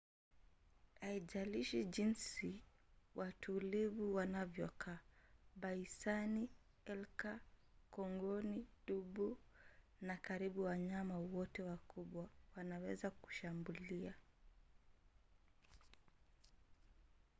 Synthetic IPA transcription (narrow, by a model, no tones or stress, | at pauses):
aiʄaliʃid͡ʒinsiwʔatʰulivuwanavjɔkʰaːɓaisani | ɛlkakɔŋɡɔniɗuɓu | nakaɾiɓuwaɲamawɔtɛwakuɓwawanawɛzaku̥ʃambulia